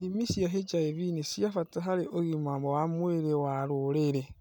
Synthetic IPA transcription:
imisiaɦed͡ʒaeβinisiafataɦaɾiʔoɣimamowamweɾewaɾuɾeɾe

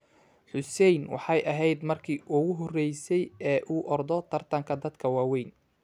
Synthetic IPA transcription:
ħʊsɛjnwɑ̰ħɑjʔɐɦɛjd̪mɐrkʰiːʔʊɣʊɦɔrɛjsɛjɛːʔuːʔɔrd̪ɔt̪ʰɐrt̪ʰɐŋkʰɐd̪ɐd̪kʰɐwaːwɛjn

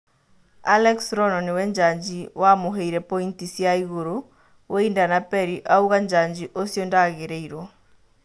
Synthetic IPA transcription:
a̰lɛksɾɔnɔnewɛɲd͡ʒaɲd͡ʒiwamoɦeiɾɛpɔintisijaiɣoɾo | wʔɛindanapɛɾiʔauɣaɲd͡ʒaɲd͡ʒiʔosjɔndaɣeɾɛiɾɔ

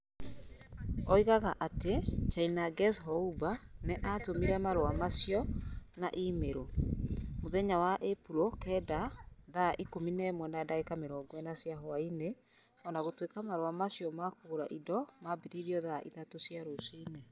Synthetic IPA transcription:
ɔiɣaɣaʔatet͡ʃainaɡɛsɦɔubaneʔatomiɾɛmaɾowamasjɔna̰ʔimeɾo | moðɛɲawaʔepuɾokɛdaðaʔikominɛmwɛnadaekameɾɔːɡwɛnasjaɦɔaine | ɔnaɣotwekamaɾoamasjɔmakoːɾaʔidɔmabiɾiɾiɔðaʔiðatosjaɾosiːne

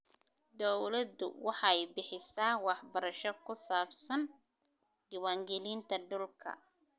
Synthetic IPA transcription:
d̪ɔwlɐd̪ʊ̰wɑħɑɛjbɪħɪsaːwɑħbɐɾɐʃɔkʰʊsaːbsɐn | ɪwaːŋɡɛliːnt̪ʰɐɖʊlkʰɐ̰

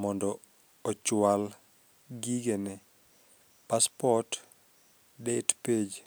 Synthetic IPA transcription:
mɔndɔ | ɔt͡ʃʊwal | ɡiɡenɛ | paspɔt | dɛtped͡ʒ

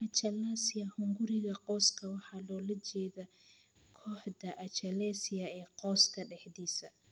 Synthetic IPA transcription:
ʔɐt͡ʃɐlaːsɪjɐhʊŋɡʊɾɪɣɐqɔːskʰɐwɑħɑːlɔːlɐt͡ʃɛːðɐ | kʰɔːħdɐʔɐt͡ʃɐlɛːsɪjɐɛːqɔːskʰɐɖɛħdiːsɐ

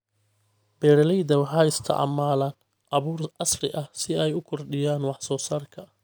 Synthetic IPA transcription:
b̥ɛːɾɐlɛjðɐwħɑːɪst̪ʰɐ̰ʕɑ̰maːlɐːn | ʔɑβuːrɑsrɪʔɐsɪɛjʊkʰɔrɖɪjaːnwɑħsɔːsaːrkʰɐ

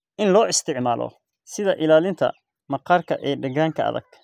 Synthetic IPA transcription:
ʔɪnlɔːɪst̪ʰɪʕmaːlʔɔ̰ | sɪðɐʔɪlaːlɪnt̪ʰɐ̰ | mɐqɑːrkʰɐʔɛːɖɐɣaːŋkʰɐɐ̰ðɐ̰ɡ̥̚

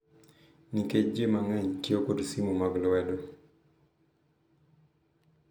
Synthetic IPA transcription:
niket͡ʃd͡ʒemaŋɛɲtjokodsimumaɡlwɛdɔ

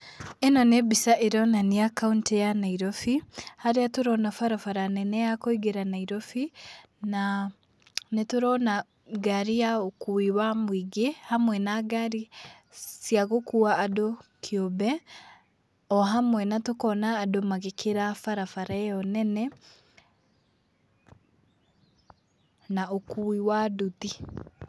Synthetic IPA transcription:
enɔnebisaʔeɾɔnaniakauntejanaiɾɔfihaɾeatoɾɔnafaɾafaɾanɛnɛjakoiɡeɾanaiɾɔfi | na | netoɾɔna | ɡaɾijaokuiwamwiɡehamwɛnaɡaɾi | siaɣokuaːdokʰiobɛ | ɔɦamwɛnatokɔnaːdomaɣekʰeɾafaɾafaɾaɛɔnɛnɛ | naokuiwaduti

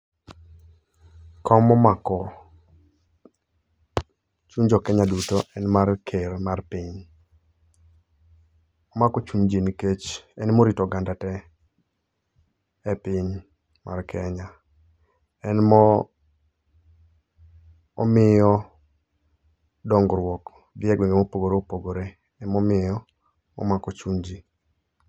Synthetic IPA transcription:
kʰɔmɔmakɔ | t͡ʃuɲd͡ʒɔkɛɲadutoʔɛnmarkʰeɾmarpiɲ | ɔmakɔt͡ʃuɲd͡ʒinket͡ʃɛnmoɾitɔɡandatɛ | ɛpɪɲ | mʔarkʰɛɲa | ɛnmɔ | ɔ̰mɪjɔ | dɔŋɡɾwɔk | d̪ɪɛɡweŋɡemopoɡoɾeopoɡoɾe | ɛmɔmɪjɔ | ɔ̰makot͡ʃuɲd͡ʒi

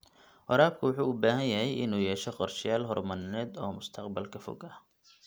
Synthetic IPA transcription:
wɐɾaːb̚kʰʊwʊħuːʊbaːɦɐnjɐɦɛjʔɪnuːjɛːʃɔqɔrʃɪjaːlɦɔrmɐnnɛːd̪ɔːmʊst̪ʰɐqbɐlkʰɐfɔ̰ɡɐh

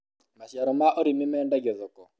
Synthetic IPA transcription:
maʃjaɾɔmaʔoɾimɪmɛːndaɡɔðɔkɔ

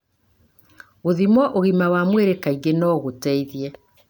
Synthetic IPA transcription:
oðimɔʔoɣimawamweɾekaiɡenɔːɣotɛiðjɛ

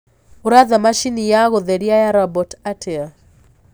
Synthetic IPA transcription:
uɾaðamaʃinijaɣɔðeɾjajaɾabɔtatʰɛa

